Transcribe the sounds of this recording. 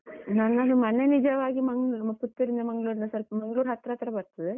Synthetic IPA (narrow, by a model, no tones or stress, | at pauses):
nɐnːɐlːimɐnenid͡ʒɐʋaːɡimɐŋɡɐput̪ːiɾind̪ɐmɐŋɡɭuːɾinɐsɐlpɐmɐŋɡɐɭuːɾɦɐt̪ɾaːt̪ɾɐbɐɾt̪ɐd̪e